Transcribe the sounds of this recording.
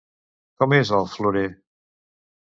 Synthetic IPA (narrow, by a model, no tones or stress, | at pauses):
kɔmezəlˠfluɾe